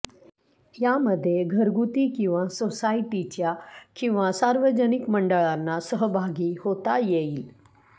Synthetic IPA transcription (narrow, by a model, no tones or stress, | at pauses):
jaməd̪ʱːjeɡʱəɾɡut̪iːkĩw̃ʋasosaiʈit͡ɕjakĩw̃ʋasaɾʋəd͡ʑənikməɳɖəɭanːasəɦəbʱaɡiːhot̪ajeiːl